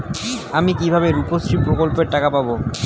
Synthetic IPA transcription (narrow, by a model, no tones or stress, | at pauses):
amikibʱabeɾuposɾipɾokolpeɾʈakapabo